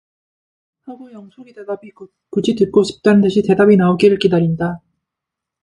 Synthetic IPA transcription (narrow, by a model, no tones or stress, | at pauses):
saɡojʌŋsʰoɾidedabi | kud͡ʑitɯt̚k͈oɕʰi̥p̚t͈anɯntʰɯɕʰite̞dabinaoɡiɾɯɭkidaɾinda